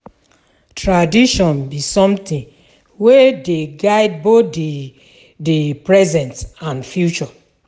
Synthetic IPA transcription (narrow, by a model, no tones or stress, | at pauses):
tʰɹadiʃɔ̃nbisɔ̃mtĩn | wedeɡaɪd̚botd | depɹɛzɛ̃ntãnfjut͡ʃɔ